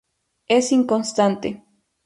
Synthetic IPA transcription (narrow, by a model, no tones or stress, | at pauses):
esiŋkonst̪ant̪ḛ